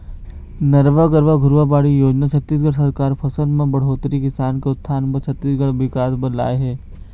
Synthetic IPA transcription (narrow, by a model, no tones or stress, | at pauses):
nəɾʋaɡəɾʋaɡʱʊɾʋabaːɽijoːd͡ʒnat͡ʃʰət̪ːiːs̬ɡəɽsɐɾkaːɾpʰɐsə̃nd̪mẽbɐɽ̤ɦoːt̪ɾikɪsaːnkeʊt̪ʰːaːnpɐt͡ʃʰɐt̪ːiːsɡəɽʋɪkaːsbɐla̰ːeɦɛː